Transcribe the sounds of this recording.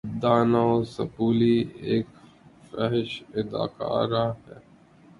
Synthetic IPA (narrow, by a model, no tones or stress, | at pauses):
d̪aːnasɐ̰puːlieːk | fɛɦʃɪd̪a̰ːka̰ːɾaɦɛː